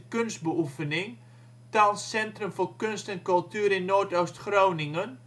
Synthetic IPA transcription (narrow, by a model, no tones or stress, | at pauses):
kønsd̚bəufənɪŋ | talsːɛntrəmfoːkønstɛnkɵlˠtyːəɾɪnːoːtowstxrownɪŋən